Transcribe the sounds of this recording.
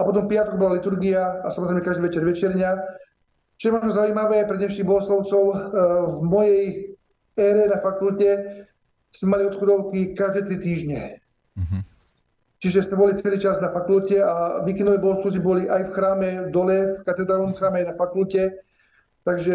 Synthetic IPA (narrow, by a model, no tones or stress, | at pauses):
apɔt̪̬ɔmpiat̪ɔkɡbɔlalit̪uɾɡiaasamɔzɾɛjmɛkaʒd̪iːʋɛt͡ʃɛɾʋɛt͡ʃɛɾɲa | t͡ʃɔjɛmɔʒnɔzaʊuiːmaʋɛːpɾɛd̪ɲɛʃniɣbɔɦɔslɔʊt͡sɔʊvmɔjɛj | ɛːɾɛnafakulcɛ | smɛmaliɔt̪xɔd̪ɔʊkikaʒd̪ɛːt̪ɾit̪iːʒɲɛ | t͡ʃiʒɛsmɛbɔlit͡sɛliːt͡ʃaznafakulcɛaʋiːkɛnd̪ɔʋɛjbɔɦɔslɔʊt͡sibɔliʔajfxɾaːmɛvd̪ɔlɛfkat̪ɛd̪ɾaːlnɔmxɾaːmɛajnafakulcɛ | t̪aɡʒɛ